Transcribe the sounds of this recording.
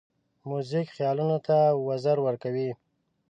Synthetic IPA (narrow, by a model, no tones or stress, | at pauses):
muzikxjɑlunot̪awazaɾwəɾkawi